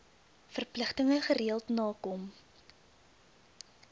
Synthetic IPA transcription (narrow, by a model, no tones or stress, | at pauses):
fərpləχtəŋəχəɾiəlˠtnɑːkɔm